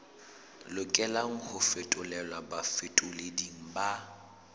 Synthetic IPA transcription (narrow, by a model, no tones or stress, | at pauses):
lʊkʼɛlaŋ̩hʊfetʼʊlɛlwabafɪtʼʊlediŋ̩ba